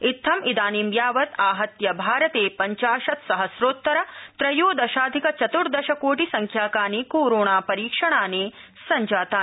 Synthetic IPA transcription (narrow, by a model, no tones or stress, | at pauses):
it̪ʰːɐmʔid̪aːnimjaːʋɐt̪aːɦɐt̪jɐbʱaːɾɐt̪eːpɐɲt͡ʃaːʃɐt̪sɐɦɐsɾoːt̪ːɐɾɐt̪ɾɐjoːd̪ɐʃaːd̪ʱikɐt͡ʃɐt̪uɽd̪ɐʃɐkoːʈisɐŋkʰjaːkaːniːkoːɾoːɳaːpɐɾiːkʂɐɳaːneː | sɐɲd͡ʒaːt̪aː